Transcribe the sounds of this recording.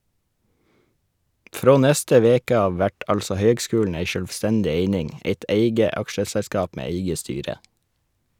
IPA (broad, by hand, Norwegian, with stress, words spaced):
ˈfɾoː ˈnɛstə ˈʋeːkə ˈɑːʋ ˈʋæʈ ˈɑlsɔ ˈhøːɡˌskʉːln̩ ˈæɪ ʃœlʋˈstɛndɪ ˈeɪnɪŋ ˈeɪt ˈeɪɡə ˈɑkʃəsɛˌskɑːp ˈmeː ˈeɪɡə ˈstyːɾə